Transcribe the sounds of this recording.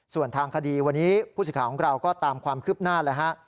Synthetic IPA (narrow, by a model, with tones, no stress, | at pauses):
su˨˩ənt̪ʰaː˧ŋkʰa˧diː˧wa˧nːiː˦˥pʰuː˥˩s̬ɯ˨˩kaː˩kʰɔ˩˦˥ɾa˧wkɔː˥˩t̪aː˧mkʰwaː˧mkʰɯː˥˩p̚naː˥˩laː˦˥ka˦˥ʔ